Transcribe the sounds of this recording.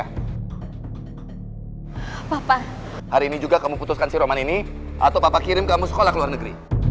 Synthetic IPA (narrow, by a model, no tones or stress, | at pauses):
papa | haɾiːnid͡ʒuɡakamuput̪uskansiɾomanini | ʔa̰t̪awpapakiɾɪmkamusə̥kolahkəluarnəɡɾḭ